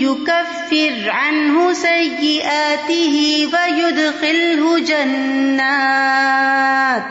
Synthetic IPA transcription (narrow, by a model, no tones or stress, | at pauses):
jʊkafːɪɾʕanɦʊsajːɪʔaːt̪ɪɦɪwajʊd̪xɪlɦʊd͡ʒanːaː | t̪